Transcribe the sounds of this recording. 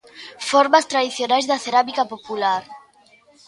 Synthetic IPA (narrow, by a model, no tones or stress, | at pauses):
fɔɾmast̪ɾaðiθjonajzðaθeɾamikapopulaɾ